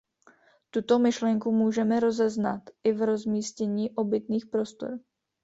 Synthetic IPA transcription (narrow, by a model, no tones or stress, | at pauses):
t̪ut̪o̞mɪʃlɛŋkumuːʒɛmɛɾo̞zɛznat̪ʔɪvɾo̞zmiːscɛɲiːʔo̞bɪt̪niːxpɾo̞st̪o̰ɾ